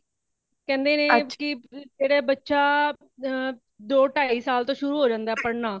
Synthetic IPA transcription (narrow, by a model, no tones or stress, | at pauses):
kɛ̃ːnd̪eːneːkɪd͡ʒeːɽeːbətːʃaː | d̪oːʈaːiːsaːlt̪õːʃʊɾuːɦoːd͡ʒãːnd̪aːpəɾnãː